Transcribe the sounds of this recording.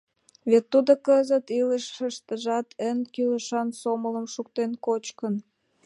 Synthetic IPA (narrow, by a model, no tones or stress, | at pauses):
βet̪ːud̪okəzət̪iləʃəʃt̪əʒɑt̪ʰənkyləʃɑnsomələmʃukt̪enkot͡ɕkən